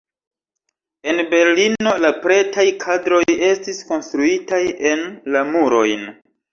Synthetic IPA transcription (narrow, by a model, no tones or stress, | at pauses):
e̞nbe̞ɾlino̞lapɾe̞tʰajkʰadɾo̞je̞stisko̞nstɾuitaje̞nlamuɾo̞̰jn